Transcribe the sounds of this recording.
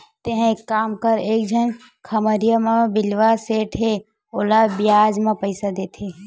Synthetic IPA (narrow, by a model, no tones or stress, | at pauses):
t̪eɦkaːmkəɾeːkd͡ʒʱən | kʰɐməɾijamãbɪlʋaseːʈʰɦe | oːlabɪjaːd͡ʒmãpəɪsad̪eːt̪ʰe